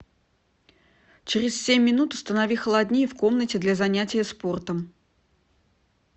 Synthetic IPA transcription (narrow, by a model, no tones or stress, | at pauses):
t͡ɕɪɾʲɪssʲemʲːɪnut̪ʊ̥st̪ənɐvʲixəlˠɐd̪ʲnʲifko̞mnətʲɪd̪lʲazɐnʲætʲɪjəspo̞rt̪əm